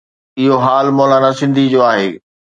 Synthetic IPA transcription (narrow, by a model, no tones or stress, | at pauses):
ɪɦoɦaːlmɔːlanasɪ̃nd̪ʱid͡ʑoːaːɦeː